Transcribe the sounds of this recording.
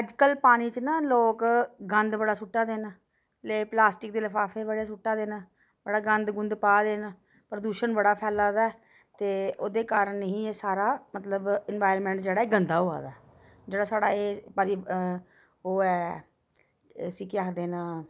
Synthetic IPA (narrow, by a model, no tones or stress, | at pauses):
əd͡ʒkəlpaːniːt͡ʃnãːloːkɡənd̪bəɽaːsʊʈːaːd̪eːn | leːplaːsʈɪk̚d̪eːləfʰaːfʰeːbəɽeːsʊʈːaːd̪eːna | bəɽaːɡənd̪ɡʊnd̪paːd̪eːn | pəɾd̪uːʃənbəɽaːpʰɛːlaːd̪aːɛː | t̪eːoːd̪eːkaːɾənːəɦĩːɛːsaːɾaːmət̪ləbɪnʋaːɪɾənmɛ̃ːɳʈd͡ʒeːɽaːeːɡənd̪aːɦoːa̰ːd̪aː | d͡ʒeːɽaːsaːɽa̰ːeːpəɾiː | oːɛː | siːkɪaːkʰd̪eːnãː